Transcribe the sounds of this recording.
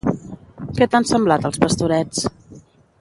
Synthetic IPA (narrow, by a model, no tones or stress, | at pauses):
kɛt̪ansəmblat̪əlˠspəst̪uɾɛt͡s